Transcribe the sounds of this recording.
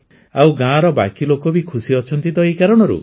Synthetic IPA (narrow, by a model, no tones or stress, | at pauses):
awɡãɾɔba̰kilokɔbikʰusiɔt͡ʃʰɔnt̪id̪ɔikaɾɔɽ̃ɔɾṵ